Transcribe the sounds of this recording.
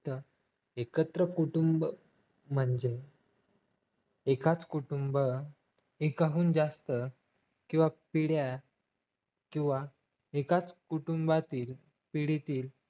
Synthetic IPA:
t̪ə | ekət̪ɾəkuʈumb | m̤əɳd͡ʑe | ekat͡skuʈumbə | ekaɦuːnd͡zast̪ə | kĩw̃ʋapiɽja | kĩw̃ʋa | ekat͡skuʈumbat̪iːl | piɽit̪iːl

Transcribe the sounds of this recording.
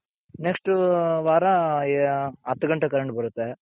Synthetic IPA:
neksʈʋaːɾa | ɐt̪ːɐɡɐɳʈɐkɐɾɐɳʈbɐɾut̪ːe

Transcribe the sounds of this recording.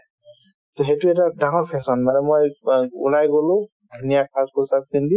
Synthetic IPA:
tɔɦetuɛtadaŋɔɹpʰɛsɔnːanɛmojṵlajɡɔlʊ̃ | dʱunijakʰaskɔsak̚sindi

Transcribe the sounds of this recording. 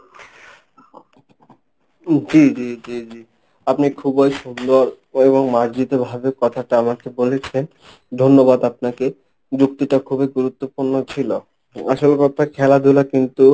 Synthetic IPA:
d͡ʑid͡ʑid͡ʑid͡ʑi | apnikʰubojʃund̪oaɾ | eβoŋmaɾd͡ʑit̪obʱabekɔt̪ʰaʈaamakebolet͡ɕʰen | d̪ʱonːobad̪ap̚nake | d͡ʑuk̚t̪iʈakʰubeɡuɾut̪ːopuɾnot͡ɕʰilo | aʃolekɔt̪ʰakʰɛlad̪ʱulakint̪u

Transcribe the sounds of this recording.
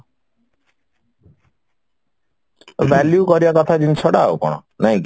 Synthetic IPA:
ʋɛljukɔɾibakɔt̪ʰad͡ʒinsɔɽao̰kɔ̰ɽ̃ɔ̰naĩk

